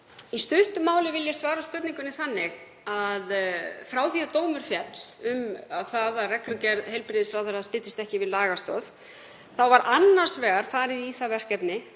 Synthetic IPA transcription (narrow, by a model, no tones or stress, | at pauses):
ist̪ʏht̪ʏmaːwlɪvɪljḁsvaːɾaspœt̪niŋkʏnɪθanːɪɣ | aðfɾaːwθiat̪oːwmʏɾ̥fjɛt̪l̥ʏmaθaðarɛklʏcɛɾðhejlpɾɪðɪsvawθɛɾast̪ɪːt̪ɪst̪ɛhcɪvɪðlaːɣast̪ɔːð | θawvaɾʔanːar̥svɛːɣaɾ̥faːɾɪðiiːθavɛr̥cɛpnɪ